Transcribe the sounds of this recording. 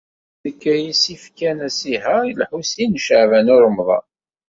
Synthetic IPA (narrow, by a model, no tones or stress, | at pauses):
ðəkːæjisifkænæsihæjlħusinʃəʕvænʊɾˤmðˤɑ̰